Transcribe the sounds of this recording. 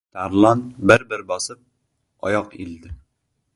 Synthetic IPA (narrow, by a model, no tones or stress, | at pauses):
t̪ʰaɾlˠɒnbɪɾbɪɾbɒsɪp̚ | ɒ̰jɒqḭld̪ɪ